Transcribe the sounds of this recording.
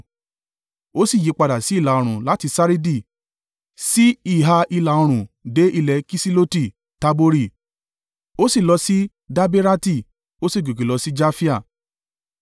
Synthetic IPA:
o˦si˦˨ji˨˧k͡pa˧da˨si˨˦i˦˨la˨o˧ɾ̃ũ˨la˨˦ti˧sa˦ɾi˦di˦˨ | si˦i˦˨ɦa˧i˧la˨o˧ɾ̃ũ˨de˨˦ʔi˧lɛ˧ki˦si˦lo˦ti˦˨ | ta˧bo˧ɾi˦˨ | o˦si˦˨lɔ˧si˦ | da˦be˦ɾa˦ti˦˨ | o˦si˦˨ɡi˨ki˨lɔ˨˧si˦d͡ʒa˦fi˦a˦˨

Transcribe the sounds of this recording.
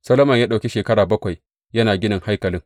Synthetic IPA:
sɐ˦loː˦mɐ˨ɲjaː˦ɗa˨kʲe˦ʃeː˨kɐ˦ɽaː˨bɐ˦kʷa˨j | jɐ˦naː˨ɡʲɪ˦nɐ˨ŋha˦jkɐ˨lɪ˦ŋ

